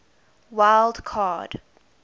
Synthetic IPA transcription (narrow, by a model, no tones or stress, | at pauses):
waɪlˠdkʰad̥